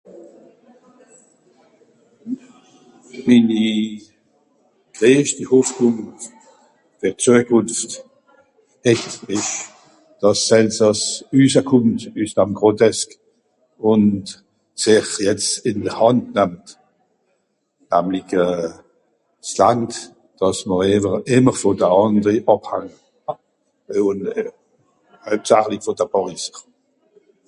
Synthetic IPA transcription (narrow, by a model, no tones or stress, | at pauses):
mini | ɡ̥ʁeːʃd̥ihoːfkʊn | fyʁt͡suəkʊnft | ɛçtɪʃ | d̥ɑsɛlsɑsyːsəkʰʊmtystamɡʁotʰɛsk | ʊnt | sɪχjɛt͡stɪndəʁhɑntnɛmt | næmliçə | slaŋt | d̥ɑsməʁevəʁɪməʁfɔdəɑndʁiʔɑphaŋə | ʊn | hœɥp̚tsaχliçfɔd̥əbɔʁisə